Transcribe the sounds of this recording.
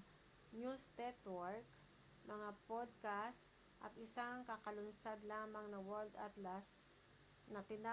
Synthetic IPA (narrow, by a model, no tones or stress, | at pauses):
njust̪ɛt̪wɔɹk | mɐŋapod̪̚kast̪ | ʔɐ̰t̪ɪsaŋkɐkɐlʊnsad̪laːmɐŋnɐwɛld̪at̪las | nɐt̪ɪna